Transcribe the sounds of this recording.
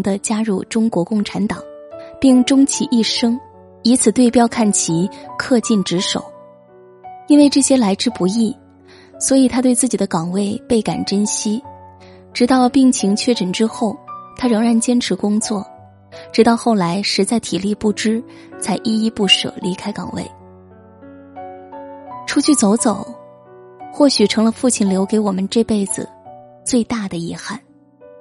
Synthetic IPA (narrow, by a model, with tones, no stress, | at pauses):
ŋd̪ə˧t͡ɕja˥ɻu˥˩ʈ͡ʂʊ˥ŋkwɔ˧˥kʊ˥˩ŋʈ͡ʂʰa˧˥nt̪ɑ˨˩˦ŋpi˥˩ŋʈ͡ʂʊ˥ŋt͡ɕʰi˧˥ʔi˥˩ʂɤ˥ŋ | i˧˥t͡sʰɹ̩˨˩t̪we˥˧ɪpjɑ˥ʊkʰa˥˩nt͡ɕʰi˧˥kʰɤ˥˧t͡ɕi˥˩nʈ͡ʂɻ̩˧˥ʂo̰˨˩˦ʊ | i˥nwe˥˧ɪʈ͡ʂɤ˥˩ɕjɛ˥la˧˥ɪʈ͡ʂɻ̩˥˧pu˧˥i˥˩ | swɔ˧˥i˨˩t̪ʰa˥t̪we˥˧ɪt͡sɹ̩˥˩t͡ɕi˨˩d̪ə˦kɑ˨˩ŋwe˥˩ɪpe˥˩ɪka̰˨˩nʈ͡ʂə˥nɕi˥ | ʈ͡ʂɻ̩˧˥t̪ɑ˥˧ʊpi˥˩ŋt͡ɕʰi˧˥ŋt͡ɕʰɥɛ˥˩ʈ͡ʂə˨˩nʈ͡ʂɻ̩˥xo˥˩ʊt̪ʰa˥ɻɤ˧˥ŋɻa˧˥nt͡ɕjɛ˥nʈ͡ʂʰɻ̩˧˥kʊ˥ŋt͡swɔ˥˩ | ʈ͡ʂɻ̩˧˥t̪ɑ˥˧ʊxo˥˩ʊla˧˥ɪʂɻ̩˧˥t͡sa˥˩ɪt̪ʰi˨˩li˥˧pu˥˩ʈ͡ʂɻ̩˥ | t͡sʰa˧˥ɪʔi˥˧i˥˧pu˥˩ʂɤ̰˨˩li˧˥kʰa˥ɪkɑ̰˨˩ŋwḛ˥˩ɪ | ʈ͡ʂʰu˥t͡ɕʰy˥˩t͡so˧˥ʊt͡so˨˩˦ʊ | xwɔ˥˩ɕy˨˩ʈ͡ʂʰɤ˧˥ŋlə˧fu˥˩t͡ɕʰi˥˩nljo˧˥ʊke˧˥ɪwɔ˨˩mə˦nʈ͡ʂɤ˥˧pe˥˩ɪd͡zɹ̩̰˩t͡swe˥˧ɪt̪a˥˩d̪ə˩i˧˥xa˥˩n